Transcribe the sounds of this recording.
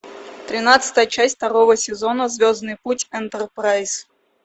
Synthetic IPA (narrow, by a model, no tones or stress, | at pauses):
t̪ɾʲɪnat̪sɨ̥t̪əjət͡ɕæsʲft̪ɐɾovəsʲɪzonəzvʲoznɨjputʲɛnt̪ərpɾajs